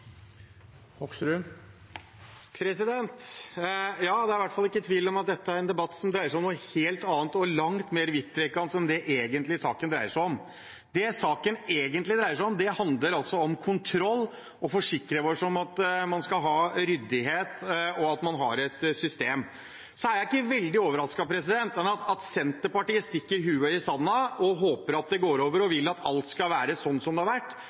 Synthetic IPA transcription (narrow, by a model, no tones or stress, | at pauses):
hɔksɾʉ | pʰɾɛsɪd̪ɛnt̪ | jɑːd̪ɛæɾʋæʈfɑlːɪkːət̪ʰʋiːlɔmɑt̪̚d̪ɛt̪ːəæɾɛnd̪ɛbɑt̪ːsɔmd̪ɾæɪəʂæɪɔmnuːəheːlt̪ɑːnt̪ɔlɑŋt̪meːɾʋɪt̪ːɾɛkːɑnsɛnd̪ɛʔeːɡənt̪lɪsɑːkənd̪ɾæɪəʂæɪɔm | d̪ɛsɑːkəneːɡənt̪lɪd̪ɾæɪəʂæɪɔmd̪ɛhɑnd̪ləɾɑlsɔɔmkʰʊnt̪ʰɾɔlː | ɔfɔʂɪkːɾəʋɔʂɔmɑt̪mɑnskɑlɦɑːɾʏd̪ɪɦeːt̪ɔɑt̪mɑnɦɑ̰ɾɛt̪sʏst̪eːm | sɔæɾjæɪɪkːəʋɛld̪ɪoːʋəɾɑskɑpʰɾɛsɪd̪ɛnt̪mɛnɑt̪ɑt̪sɛnt̪əpɑʈiːəst̪ɪkːəɾɦʉːəɪsɑnːɑɔɦoːpəɾɑt̪̚d̪ɛɡoːɾoːʋəɾɔʋɪlːɑt̪ʰɑ̰lt̪skɑlʋæːɾəsɔnːsɔmd̪ɛhɑɾʋæʈː